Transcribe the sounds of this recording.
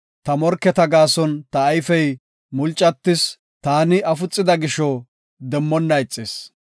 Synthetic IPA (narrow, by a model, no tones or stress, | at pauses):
t̪ɐmɔɾkːɛt̪ɐɡaːsɔnt̪ɐːjfɛj | mʊlt͡ʃʼːɐt̪ːɪs | t̪aːnɪɐfʊt͡sʼːɪd̪ɐɡɪʃɔ | d̪ɛmːɔnːɐɛt͡sʼːɪːs